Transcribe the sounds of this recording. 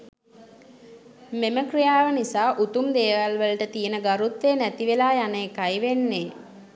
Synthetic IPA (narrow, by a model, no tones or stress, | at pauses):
meməkrijaːʋənisaːʔut̪umd̪eːʋalʋələʈət̪ijənəɡaɾut̪ʋeːnæt̪iʋelaːjanəːkajʋenːe